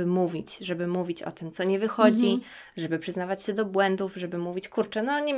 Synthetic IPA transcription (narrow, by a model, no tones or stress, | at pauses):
ɘmuvʲit͡ɕʐɛbɘmuvʲit͡ɕɔ̰t̪ɘmt̪sɔɲɛvɘxɔd͡ʑi | ʐɛbɘpʂɘznavat͡ɕɕɛd̪ɔbwɛnd̪ufʐɛbɘmuvʲit͡ɕkuɾt͡ʂɛnɔɲɛ